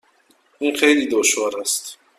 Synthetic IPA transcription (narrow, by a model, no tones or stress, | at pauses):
ʔinχejliːd̪oʃvɔɾast̪